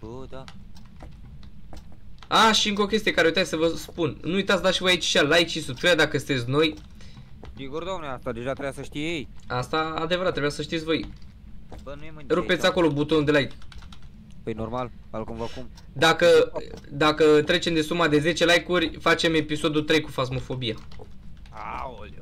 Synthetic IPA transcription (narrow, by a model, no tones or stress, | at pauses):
aʃiɨŋko̞kʲe̞st̪ije̞kaɾejt̪atsʲsəvəspunnuujt̪at̪sd̪aʃivo̞jait͡ʃḁʃalajkʃisut̪ɾead̪akəst̪e̞t̪sʲno̞j | siɡuɾd̪oamneast̪ad̪eʒat̪ɾebjasəʃt̪ijeejast̪aːd̪e̞vəɾat̪ːɾebujasəʃ̬t̪it̪sʲvo̞j | bənuemaɾupet̪sʲako̞lo̞but̪ond̪elajk | pəjnormalalkumvakum | d̪akəd̪akət̪ɾe̞t͡ʃe̞md̪e̞sumad̪e̞ze̞t͡ʃe̞lajkurʲfat͡ʃe̞me̞piso̞d̪ut̪ɾe̞jkufazmo̞fo̞bija | a